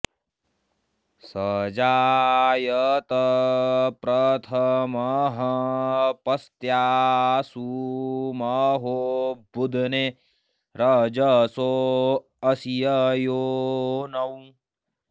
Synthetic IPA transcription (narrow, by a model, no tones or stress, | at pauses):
sɐd͡ʒaːjɐt̪ɐ | pɾɐt̪ʰɐmɐɦɐpɐst̪jaːsumɐɦoːbud̪ʱne | ɾɐd͡ʒɐso | ɐsijɐjoːnɐwũ